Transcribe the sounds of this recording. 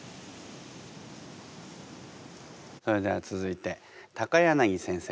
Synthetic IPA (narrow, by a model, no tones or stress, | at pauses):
so̞ɾe̞d̪e̞βat͡sɨzɨit̪e̞ | t̪akajanaɡʲisẽɰ̃se